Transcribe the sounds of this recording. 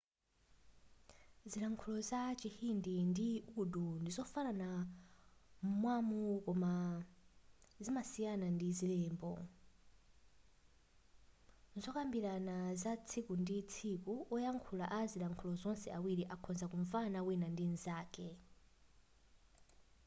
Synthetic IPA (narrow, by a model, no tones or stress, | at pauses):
zilaŋkʰulɔzat͡ʃihindindiukudundizɔfanana | mmwamukɔma | zimasijanandizilɛːmbɔ̰ | zɔkambiɾanazat͡sʰikundit͡sʰikuʔɔjaŋkʰulaʔazilaŋkʰulɔzɔnsɛawiɾiʔakʰɔnzakuɱvanawinandinzaːkɛ